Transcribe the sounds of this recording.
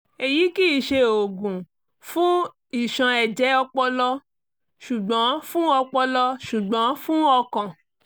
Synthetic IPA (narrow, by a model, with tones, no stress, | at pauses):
e˨ji˨˦ki˦i˨ʃe˧o˨ɡũ˨ | fũ˦ | i˨ʃã˧ɛ˨d͡ʒɛ˨˦ɔ˧k͡pɔ˧lɔ˦ | ʃu˨ɡ͡bɔ̃˨˦fũ˦ɔ˧k͡pɔ˧lɔ˧ʃu˨ɡ͡bã˨˦fũ˦ɔ˧kã˨